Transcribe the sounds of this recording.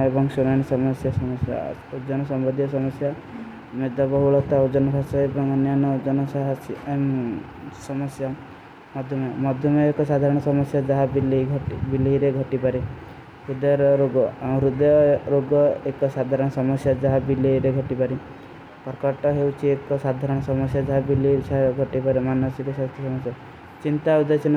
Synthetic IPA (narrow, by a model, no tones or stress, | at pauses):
ebɔŋsunanisɔmɔsjasɔmɔsja̰od͡ʒɔnɔsɔmbɔd̪ʱijɔsɔmɔsja | med̪ɔbɔɦuɭɔt̪aod͡ʒɔnɔkʰasɔebɔŋɔnjanɔd͡ʒɔnɔsaɦas | sɔmɔsja | mɔd̪ʱjɔmɔmɔd̪ʱjɔmɔekɔsad̪ʱaɾɔɽ̃ɔsɔmɔsjad͡ʒaɦabilʱbiliiɾeɡʱɔʈipaɾi | ɾud̪ɔjɔɾɔɾoɡɔaũɾud̪ɔjɔɾoɡɔekɔsad̪ʱaɾɔɽ̃ɔsɔmɔsjad͡ʒaɦabileiɾeɡʱɔʈipaɾi | pɔɾkɔʈɔɦeuwt͡ʃʰiekɔsad̪ʱaɾɔɽ̃ɔsɔmɔsjad͡ʒaɦabiliiaɦɡʱɔʈipaɾemanɔsikɔsast̪ʰjɔsɔmɔsja | t͡ʃint̪aud̪ajt͡ʃʰin